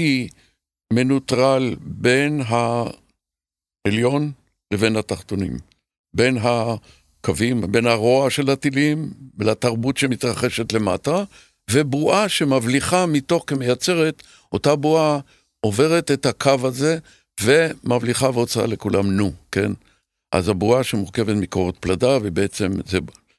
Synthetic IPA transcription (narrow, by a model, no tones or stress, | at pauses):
i | me̞nutʁalbe̞nɦa | eljo̞n | leve̞nhat̪aχt̪o̞nḭm | be̞nɦa | kavimbe̞nhaʁo̞aʃe̞lhat̪ilimbelataʁbutʃe̞mitʁaχe̞ʃe̞tlema̰ta | vebʁuʔaʃe̞mavliχamito̞χkemejat͡se̞ʁe̞t | ʔo̞tabua | ʔo̞ve̞ʁetethakʰavaze̞ | ve̞mavliχaveot͡saa̰le̞kulamnuke̞̰n | ʔa̰zabuaʃemuʁke̞vetmikoʁet̪pladavebeet͡se̞mzea